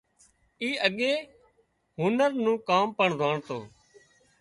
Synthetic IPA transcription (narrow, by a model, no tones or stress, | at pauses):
iːʔəɠeː | ɦʊnəɾnũːkaːmpəɳd̪ʱaːɳt̪o̰ː